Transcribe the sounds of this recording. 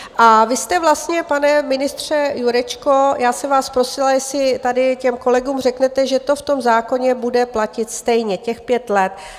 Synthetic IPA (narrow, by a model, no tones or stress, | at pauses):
ʔavɪst̪ɛvlast̪ɲɛpanɛmɪnɪst̪r̝̥ɛjuɾɛt͡ʃko̞jaːsɛmvaːspɾo̞sɪlajɛsɪt̪adɪcɛmko̞lɛɡuːmrɛknɛt̪ɛʒɛt̪o̞ft̪o̞mzaːko̞ɲɛbudɛplacɪt̪st̪ɛjɲɛcɛxpjɛt̪lɛt̪